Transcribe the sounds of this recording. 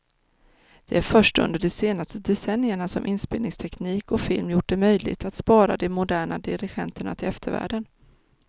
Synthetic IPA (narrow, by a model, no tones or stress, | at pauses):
d̪̥ɛ̰æɾfœʂʈɵ̰nd̪əɖɔseːnast̪əd̪ɛsɛnːjəɳasɔmʔɪnspeːlnɪŋst̪ʰɛkniːkɔfɪlmjʊʈ̚ːɖɛmœjlɪ̰ɡt̪at̪spɑːɾa̰d̪ɛmʊd̪æːɳad̪ɪɾɪɧɛnt̪əɳa̰t̪ʰɪlɛft̪ʰəɾvæ̰ːɖən